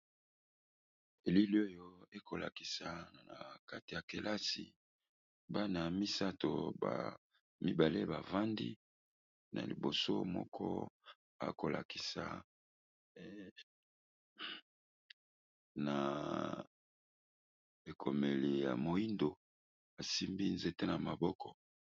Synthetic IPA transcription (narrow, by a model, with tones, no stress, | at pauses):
e˨li˦li˦o˦jo˦e˦kʰo˨la̰˨ki̥˨sa˨na̰˨ka˦ti˨ja˨ke˨la˦sḭ˨ | ba˦na˨mi˦sa˦to˨ba̰˨ | mi˦ba˨le˦ba˨va˦ndi˦ | na̰˨li˨bo˨so˦mɔ̰˦kʰɔ̰˦ | a̰˨ko˨la̰˨ki̥˨sa̰˨ | na˨ | e˨kʰo˨me˨li˨ja̰˨mo˨i˦ndo˨ | a˨si˦mbi˦nze˨te˦na˨ma˨bɔ˦kɔ˨